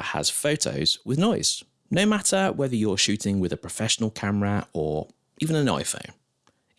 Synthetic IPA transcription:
ʔə̰z̥fəʊtʰə̰ʊz̥wɪðnɔɪz̥ | nəʊmatʰəwɛðəjəʃʉˑtʰɪ̃ŋwɪðəpʰɹ̥əfɛʃənəlˠkʰaməɹəə | iːvə̃nəna̰ɪfə̰̃ʊ̃n

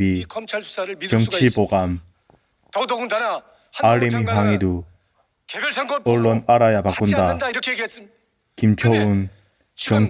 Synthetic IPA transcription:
i | kjʌŋt͡ɕʰipoɡam | aɾemiɦwaŋidu | kʌɭːonaɾajabakk͈undak | kimkʰʌun | kjʌŋ

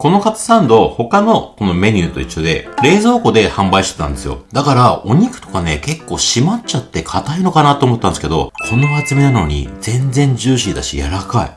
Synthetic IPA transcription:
ko̞no̞kat͡sɨ̥sãnd̪o̞ho̞kano̞ko̞no̞me̞ɲ̟ɨːt̪o̞̰iɕːod̪e̞̰ɾe̞ːzo̞ːko̞d̪e̞hãmbaiɕi̥t̪et̪ã̰nd̪e̞sɨjo̰d̪akaɾao̞ɲ̟ikɯ̟̥t̪o̞̥kane̞ke̞kːo̞ːɕimatt͡ɕat̪ːe̞kʰat̪aino̞kanat̪ːoːmot̪ːãneske̞d̪o̞̰kʰo̞neβat͡sɨme̞nano̞ɲ̟ḭd͡zẽ̞nd͡zẽ̞ɲ̟d͡ʑɨːɕid̪a̰ɕḭja̰ɾakaḭ

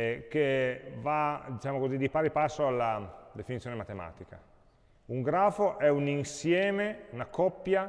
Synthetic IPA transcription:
k̟evad̪it͡ʃaːmokozid̪ipaːɾipasːoalːad̪efinit̪sjoːnemat̪ema̰ːt̪ika̰ | uŋɡɾaːfoʔɛuninsjɛːmeunakɔpːja

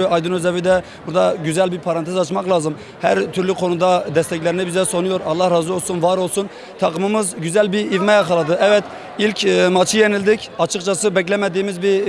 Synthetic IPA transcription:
yɑjd̪ɯnøzɛvid̪ɛ | buɾd̪ɑɟyzælbiɾpʰɑɾɑnt̪ʰezɑt͡ʃmɑqlˠɑːzɯm | hæɾt̪ʰyɾlyqʰo̞nud̪ɑd̪ɛst̪ʰɛc̬ʲlɛɾinɪbizɛsonujoɾɑlˠːɑhɾɑːzuolˠsunvɑɾolˠsun | t̪ʰɑqʰɯmɯmɯzɡyzælbiɾivmɛjɑqɑlˠɑd̪ɯʔɛvɛt̪ | ilkʰʲmɑt͡ʃʰɯjenilʲd̪icʰʲɑt͡ʃʰɯqt͡ʃʰɑsɯbɛkʲlɛmɛd̪ijmizbi

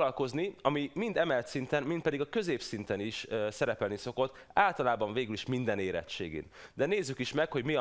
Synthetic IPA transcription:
lɒlko̞zniɒmimind̪ɛmɛlt̪sint̪ɛnmint̪pɛd̪iɡɒkø̞zeːpsint̪ɛniʃsɛɾɛpɛlniso̞ko̞t̪ː | aːlt̪ɒlaːbɒɱveːɡyliʃmind̪ɛneːɾɛ̰tʃḛːɡḭːnd̪ɛneːzːykiʃmɛkho̞ɟmi

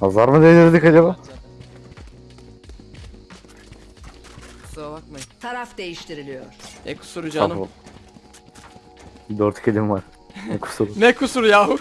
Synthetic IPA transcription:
azaɾmɯd̪ed̪ʲiɾd̪ikad͡ʒaba | zovak̚mɯt̪ʰaɾafd̪ejiʃt̪iɾilʲijoɾ̥ɛkʰu̥suɾud͡ʒanɯ | d̪øɾt̪kʰelʲimvaɾ | nɛkʰu̥suɾnɛkʰusuɾjaːɦu

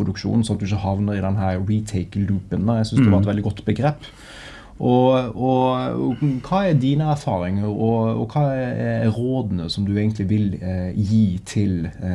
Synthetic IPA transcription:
ʊd̪ʉkʃṵːnn̩sɔnɑt̪̚d̪ʉɪçəhɑʋnəɾɪd̪ɛnɦæːɾɹiːt̪ʰeɪklʉːpənd̪ɑjæɪsʏnsd̪ɛʋɑɾɛt̪ʋɛld̪ɪɡɔt̪ːbəɡɾeːpː | ʔɔɔ | kʰɑːæɾd̪iːnəæɾfɑːɾɪŋəɾɔɔ̰kʰɑːɛɛɾoːd̪n̩əsɔmd̪ʉeɡənt̪ʰlɪʋɪljiːt̪ʰɪl

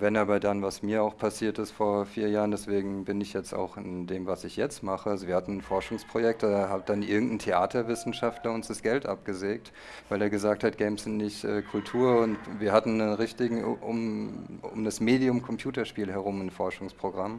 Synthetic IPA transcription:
vɛnaːbɐdanvasmiːɐaʊxpʰasiːɐtɪstfoːɐfiːɐjaːʁən̩dɛsv̥eːɡŋ̩bɪnɪçjɛt͡sta̰ʊxɪ̰ndeːmvasɪçjɛt͡stmaχəalzoviɐhatn̩nfɔɐʃʊŋspʁ̥ojɛk̚tdaɐɦaːb̚d̥anʔɪɐɡŋ̩tn̩tʰeaːtʰɐvɪsn̩ʃaftlɐʊnsd̥asɡ̥ɛltʔa̰p̚ɡ̥əzeːk̚t | vaɪleːɐɡəzaːk̚that̚ɡ̥ɛɪmsz̥ɪntnɪçtʔɛːkʰʊltʰuːɐʊntviːɐɦatn̩ːənʁɪçtɪɡŋ̩̰ʔʊ̰mʊ̰mdasmeːdiʊmkʰɔmpʰj̥uːtɐʃpiːlɦɛʁ̞ʊmɪnfɔɐʃʊŋspʁ̥oɡʁam

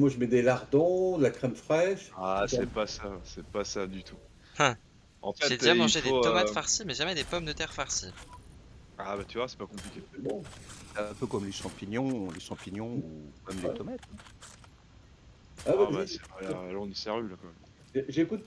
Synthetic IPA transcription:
mwaʒəmɛd̪elaʁd̪ɔ̃d̪əlakχɛmfχɛʃasɛpasasɛpasad̪yt̪ʰu | ɑ̃fɛted̪d̪imɑ̃ʒed̪et̪ɔmat̪faʁsimɛʒamɛd̪epɔmd̪ət̪ɛʁfaʁsi | abat̪yvwasɛ̥pakɔ̃plikʲebɔ̃sɛɛ̃pøkɔmleʃɑ̃piɲɔ̃leʃɑ̃piɲjɔ̃umɛmd̪et̪ɔmat̪ɛ̃ | aabasɛalɔ̃nisɛʁylakɑ̃mɛm | ʒekut̪̚

